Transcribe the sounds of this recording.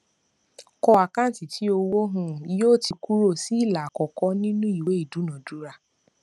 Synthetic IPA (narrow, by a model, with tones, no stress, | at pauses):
kɔ˧a˨kã˦n̩˨ti˨tʰi˨˦o˧wo˦ɦũ˧˦joː˦˨ti˧ku˦ɾo˦˨si˦i˦˨la˨kɔ˨kɔ˦nĩ˦nũ˦i˦˨we˨˦i˦˨du˨˦nã˨du˨˦ɾa˧